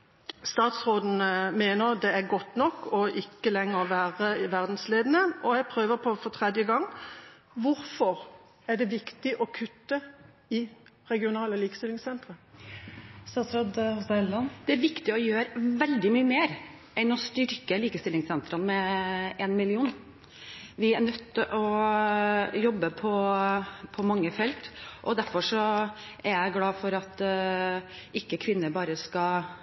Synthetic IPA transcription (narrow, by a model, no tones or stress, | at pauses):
st̪ɑːt̪sʁoːd̪n̩meːnəʁd̪ɛæʁɡɔt̪ːnɔkːɔʔɪkːəlɛŋːəʁʋæːʁəʋæʁd̪n̩sleːd̪n̩əɔjɛɡpʰɾøːʋəpʰɔfɔt̪ʰʁɛd̪jəɡɑŋː | ʋʊɾfɔʁ | æʁɖɛʋɪkt̪ɪʔɔkʰʉt̪ːə | ɪ | ʁɛɡɪʊnɑːləliːkə̥st̪ɪlɪŋsɛnt̪ʁə | st̪ɑːt̪sʁod̪hʊsɑlːɑnd̪̥ɛæɾʋɪkt̪ɪɔjøːɾʋɛld̪ɪmyːəmeːɾ | ʔɛnːɔst̪ʏɾkəliːkəst̪ɪlːɪŋsɛnt̪ɾənmɛʔɛnmɪlɪuːn | ʋɪæɳœt̪ʰːʔɔ | jɔbːəpʰɔ | pʰɔmɑŋːəfɛlt̪ʔɔd̪æɾfɔʂɔʔæɾjæɪɡlɑːfɔɾɑt̪ | ʔɪkːəkʰʋɪnːəɾbɑːɾəskɑ